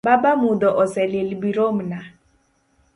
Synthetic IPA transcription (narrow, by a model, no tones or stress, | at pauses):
babamʊd̪ɔʔɔsɛlelibiɾom̩na